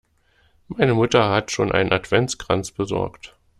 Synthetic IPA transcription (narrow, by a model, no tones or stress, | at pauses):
maɪnəmʊtɐhatʃoːnʔa̰ɪnənatv̥ɛnt͡sɡ̥ʁ̥ant͡sb̥əzɔ̰ɐkt